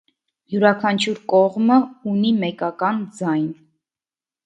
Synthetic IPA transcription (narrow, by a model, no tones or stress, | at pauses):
juɾɑkʰɑnt͡ʃʰuɾkɔʁməunimɛkɑkɑnd͡zɑjn